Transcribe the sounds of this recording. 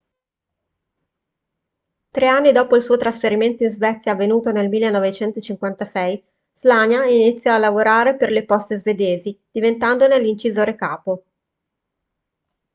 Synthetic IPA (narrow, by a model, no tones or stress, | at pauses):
t̪ɾeanːid̪ɔːpoilsuːot̪ɾasfeɾiment̪oinzvɛt̪sːjaːvːenuːt̪onelmilːenːɔvet͡ʃɛnt̪ot͡ʃiŋkwant̪asɛj | z̥laɲjainit̪sːjɔalːavoɾaːɾeperlepɔst̪ezved̪eːzid̪̥ivent̪and̪onelint͡ʃizoːɾekaːpo